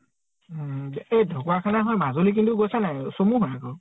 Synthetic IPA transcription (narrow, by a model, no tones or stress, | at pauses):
ejdʱɔkɔwakʰanaɦɔjmazolik̬intuɡojsanajsomuɦɔnakɔ